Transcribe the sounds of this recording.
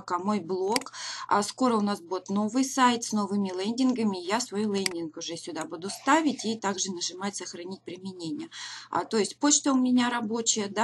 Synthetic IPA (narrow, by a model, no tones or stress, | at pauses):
kamo̞jblˠo̞ka̰sko̞ɾəʊnasbudʲɪt̪no̞vɨjsajt̪sno̞vɨmʲɪlˠɛnʲdʲɪnɡəmʲɪjasvɐjulˠɛnʲdʲɪnkʊʐɛsʲʊd̪abud̪ʊst̪avʲɪtʲit̪aɡʐɨnəʐɨmatʲsəxɾɐnʲit̚ʲpɾʲɪmʲɪnʲenʲɪjəa̰t̪o̞jɪsʲtʲpo̞t͡ɕt̪əʊmʲɪnʲaɾɐbo̞t͡ɕɪjəd̪a